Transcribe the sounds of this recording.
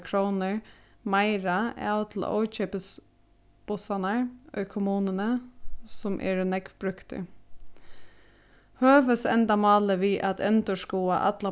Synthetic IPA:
kʰɾoːnəɹ | maɪɾaaʊt̪ʰl̩̰ɔ̰ːt͡ʃɛːpəs | b̥ʊsanaɹɔ̰jkʰʊmuːnənəsʊmʔɛ̰ːɹnɛkbɾʏkt̪ɪ̰ | høːʋəsɛ̰nt̪amɑːləʋiːʔa̰t̪ʰɛnt̪əʂkuːa̰ʔa̰t̪la

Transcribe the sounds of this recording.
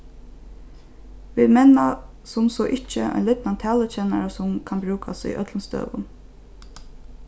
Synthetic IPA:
ʋiːd̪mɛna | sʊmsɔːʔɪt͡ʃːəɔ̰ʏnlɪt̪nant̪ʰɛːlət͡ʃɛna̰ɾasʊmkʰanbɾʉːkʰasḭʔœt̪lənst̪ø̰ːʋʊ̰n

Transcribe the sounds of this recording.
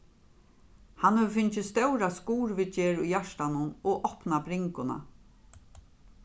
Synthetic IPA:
hanhœʋfɪnt͡ʃɪst̪œwɾaskuːɾʋɪt͡ʃeːɹujjaʂt̪anʊnɔʔɔhpnabɾɪŋkʊna̰

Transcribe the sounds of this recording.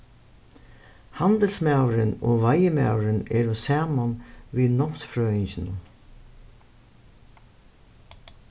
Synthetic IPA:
hand̪əlsmawɾɪno̰ːʋajəma̰wɾɪnɛːɹɔsaːmanʋiːnɔksfɾœːɪnçɪnʊ̰n

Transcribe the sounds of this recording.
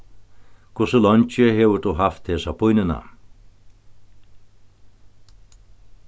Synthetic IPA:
kʰʊsəlɔnt͡ʃɪhɛːʋəd̪uɦaft̪heːsapʰʊjnɪna̰

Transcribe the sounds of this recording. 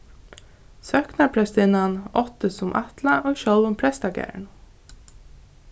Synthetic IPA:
sœhknapʰɾɛst̪ɪnanɔht̪əsʊmʔat̪laʔoːɣʃɔlʋʊmpʰɾɛst̪akɛ̰ɾɳ

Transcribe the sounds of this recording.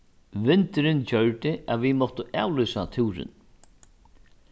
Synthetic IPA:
ʋɪnt̪ɪɾɪnt͡ɕœɹt̪ɪʔaðvimɔwht̪ʊʔa̰ːwlʏːsat̪ʰuːɾɪ̰n

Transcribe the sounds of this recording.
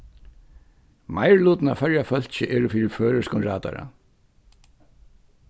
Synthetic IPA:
majɹluːt̪ɪna̰fœɹjafœl̥t͡ɕɪʔɛːɾʏfiːɾɪføːɾʏskʊnɾaːt̪a̰ɾa̰

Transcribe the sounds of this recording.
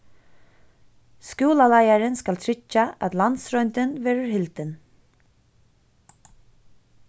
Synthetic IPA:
skuːlalajaɾɪnskalt̪ʰɾɪt͡ʃːaʔæ̰t̪lant̪sɾɔʏnt̪ɪnvɛːɾəɹɦɪlt̪ɪn

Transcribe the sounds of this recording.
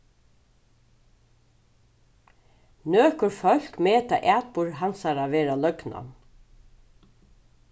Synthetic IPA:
nøːkʊɾfœl̥kmeːt̪a̰ʔæːt̪̚pʊɹɦansaɾaʋeːɾalœkna̰

